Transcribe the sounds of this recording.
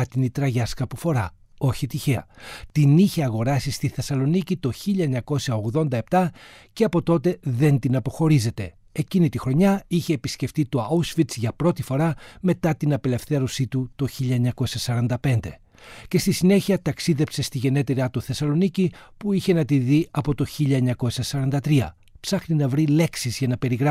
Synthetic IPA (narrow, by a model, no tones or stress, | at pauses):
ɐt̪init̪ɾɐʝɐskɐpufo̞ɾɐ | o̞çit̪içe̞ɐt̪iniçe̞ɐɣo̞ɾɐsist̪iθe̞sɐlo̞nicit̪o̞çiʎɐeɲɐko̞sjɐo̞ɣðo̞nd̪ɐep̚t̪ɐ | ce̞ɐpo̞t̪o̞t̪e̞ðe̞nt̪inɐpo̞xo̞ɾize̞t̪e̞ | ecinit̪ixɾo̞ɲɐiçe̞ːpisce̞ft̪it̪o̞ɐusfit̪sʝɐpɾo̞t̪ifo̞ɾɐme̞t̪ɐt̪inɐpele̞fθe̞ɾo̞sit̪ut̪o̞çiʎɐeɲɐko̞siɐsɐɾɐnd̪ɐpe̞nd̪e̞ | ce̞st̪isine̞çiɐt̪ɐksiðe̞pse̞st̪iʝe̞ne̞t̪eɾiɐt̪oθe̞sɐlo̞nicipuiçe̞nɐt̪iðiɐpo̞t̪o̞çiʎɐeɲɐko̞siɐsɐɾɐnd̪ɐt̪ɾiɐ̰ | psɐxninɐvɾile̞ksizʝɐnɐpe̞ɾiɣɾɐ